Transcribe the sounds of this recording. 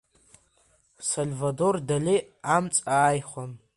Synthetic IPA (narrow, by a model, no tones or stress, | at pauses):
solvadordali | amt͡sʼaːjχʷan